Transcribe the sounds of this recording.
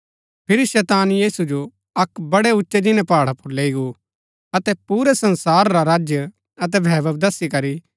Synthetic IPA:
pʰɪɾiʃɛːt̪aːnjiːsud͡ʒo | ɐkbɐɽɛʊtːʃed͡ʒɪnɛ̃paːɽapʊɾleːiɡu | ɐt̪ɛpuːɾɛsɐ̃nsaːɾːaɾaːd͡ʒjə | ɐt̪̬ɛbʱɛːʋəbd̪ɐsikɐɾi

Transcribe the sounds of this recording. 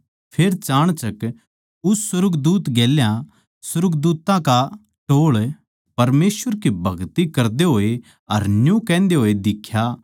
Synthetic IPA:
pʰeːɾt͡ʃaːɽ̃t͡ʃɐk | ʊsːʊɾʊɡd̪uːt̪ɡeːljã | sʊɾʊɡd̪uːt̪ãka | ʈoːɭ | pɐɾmeːsʋəɾkibʱɐɡt̪ikɐɾd̪eɦoːe | ɐɾnjũkɛ̃ːnd̪eɦoːed̪ɪkʰːja

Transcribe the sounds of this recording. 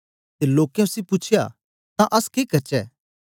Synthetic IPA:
t̪eloːkjɛ̃ʊsipʊt͡ʃʰɪja̰ | t̪ãʔɐskeːkɐɾt͡ʃɛ̰ː

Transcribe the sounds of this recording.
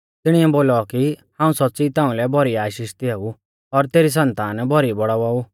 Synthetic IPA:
t̪ɪɽ̃iɛboːlɔkihãːũsɔtːsit̪ãːũlɛbʱɔɾiaːʃiːʃt̪iau | ɔɾt̪eːɾis̬ɐ̃nt̪aːnbʱɔɾibɔɽaaːu

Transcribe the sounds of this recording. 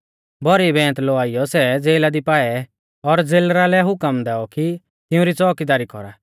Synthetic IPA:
bɔɾibɛ̃ːt̪lɔaːijɔsɛd͡zeːlad̪ipaːɛ | ɔɾd͡zeːlɾalɛɦʊkəmd̪ɛːɔki | t̪ɪũɾit͡sɔːkid̪aːɾikɔ̰ɾa

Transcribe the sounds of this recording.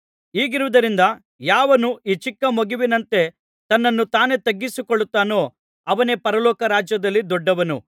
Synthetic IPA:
iːɡiɾuʋud̪ɐɾind̪ɐ | jaːʋɐnuiːt͡ʃikːɐmoɡiʋinɐnt̪e̞ | t̪ɐnːɐnːut̪aːne̞t̪ɐɡːisikɔɭːut̪ːaːno̞ː | ɐʋɐne̞pɐɾɐlɔːkɐɾaːd͡ʒjɐd̪ɐlːid̪ɔɖːɐʋɐnṵ

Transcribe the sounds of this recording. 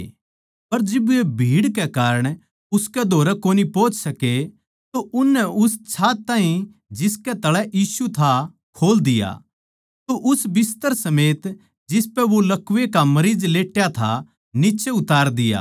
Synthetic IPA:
pɐɾd͡ʒɪbʊebʱiːɽkɛkaːɾəɽ̃ | ʊskɛd̪ʱoːɾɛkoːnipoːt͡ʃsɐke | t̪oʔʊnːɛʔʊst͡ʃʰaːt̪ãːɦĩ | d͡ʒɪskɛt̪ɐɽɛʔjiːsut̪ʰa | kʰoːld̪ɪja̰ː | t̪oʔʊsbɪst̪əɾsɐmeːt̪ | d͡ʒɪspɛʋolɐkʋekamɐɾiːd͡ʒleːʈjat̪ʰa | nɪt͡ʃeʊt̪aːɾd̪ɪja̰ː

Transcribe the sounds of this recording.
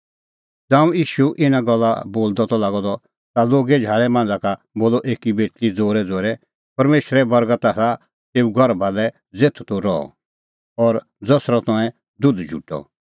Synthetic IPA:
d͡zãːũjiːʃuʔɪnaɡɔlːa̰boːld̪ɔt̪ɔlaːɡɔd̪ɔ | t̪aloːɡɛd͡ʒʱaːɾɛmãːnd͡zaka | boːlɔʔeːkibeːt̪lid͡zoːɾɛd͡zoːɾɛ | pɐɾmeːʃɾɛbɐɾɡət̪asa | t̪eːuɡʱɔɾbʱalɛ | d͡zeːt̪ʰu̥t̪ɔɾɔɔ̰ | ɔɾ | d͡zɐsɾɔt̪ɔɛ̃ | d̪ʊd̪d͡ʒʱṵʈɔ̰

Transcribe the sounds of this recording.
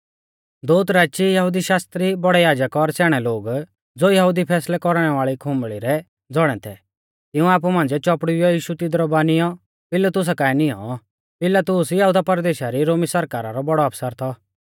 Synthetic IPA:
d̪oːt̪ɾaːt͡ʃijɐɦud̪iʃaːst̪ɾibɔɽɛjaːd͡ʒəkɔɾsɛːɽ̃ɛloːɡ | d͡zoːjɐɦud̪ipʰɛːslɛkɔɾɽ̃ɛʋaːɭikʰʊ̃mbɭiɾɛ | d͡zɔɽ̃ɛ̰t̪ʰɛ | t̪ɪũaːp̬umãːnd͡ʒɛt͡ʃɔpɽʊjɔjiːʃut̪ɪd̪ɾɔbaːnɪjɔ | pɪlːat̪ʊs̬akaːɛnɪjɔ̰ | pɪlat̪ʊːsjɐɦuːd̪apɐɾd̪eːʃaɾiɾoːmisɐɾkaːɾaɾɔbɔɽɔɐpsəɾt̪ʰɔ

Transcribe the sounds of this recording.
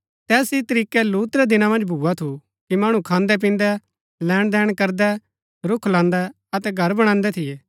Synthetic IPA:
t̪ɛːsit̪ɐɾiːkɛluːt̪ɾɛd̪ɪnãmɐ̃nd͡ʒbʱuːat̪ʰu | kimaːɽ̃ũkʰãːnd̪ɛp̬ĩːnd̪ɛ | lɛːɽ̃d̪ɛːɽ̃kɐɾd̪ɛ | ɾʊkʰlãːnd̪ɛ | ɐt̪ɛɡʱɐɾbɐɽ̃ãːnd̪ɛt̪ʰɪjɛː

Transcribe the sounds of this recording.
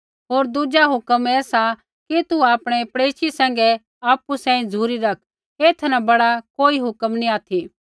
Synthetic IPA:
ɦoːɾd̪ud͡ʒaɦʊkəmɛːsa | kit̪uaːpɽ̃ɛpɐɽeːʃisɛ̃ːŋɡɛ | aːpːusɛ̃ːĩd͡zʱuːɾiɾɐkʰ | eːt̪ʰnabɐɽakoːiɦʊkəmniaːt̪ʰi

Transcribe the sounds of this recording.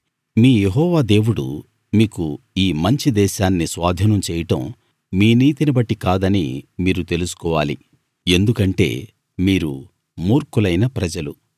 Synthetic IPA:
miːjeɦɔːʋaːd̪e̞ːwuɽṵ | miːku | iːmɐɲt͡ʃid̪ɛːʃaːnːisʋaːd̪ʱinɐmt͡ʃɛːjɐʈɐ̰m | miːniːt̪inibɐʈːikaːd̪ɐnḭmiːɾut̪e̞lusu̥kɔːʋaːlḭ | e̞nd̪ukɐɳʈe̞̰ː | miːɾu | muːɾkulɐjnɐpɾɐd͡ʒɐlu

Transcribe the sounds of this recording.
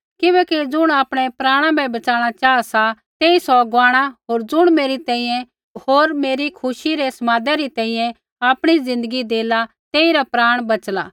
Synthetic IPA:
kɪbɛːkid͡zʊɽ̃aːpɽ̃ɛpɾaːɽ̃ãbʱɛbɐt͡ʃaːɽ̃at͡ʃaːasa | t̪eːisɔɡaːɽ̃aɦoːɾd͡zʊɽ̃meːɾit̪ɛ̃ːĩjɛ̃ | ɦoːɾmeːɾikʰʊʃiɾesɐmaːd̪ɛɾit̪ɛ̃ːĩjɛ̃ | aːpɽ̃izɪ̃nd̪əɡid̪eːla | t̪eːiɾapɾaːɽ̃bɐt͡ʃla̰ː

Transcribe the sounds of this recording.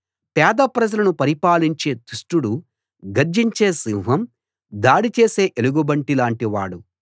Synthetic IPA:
pɛːd̪ɐpɾɐd͡ʒɐlɐnupɐɾipaːliɲt͡ʃe̞ːt̪uʂʈuɽu | ɡɐɾd͡ʒiɲt͡ʃe̞ːsiwɦɐm | d̪aːɽit͡ʃeːse̞ːʔeluɡubɐɳʈilaːɳʈiʋaːɽu

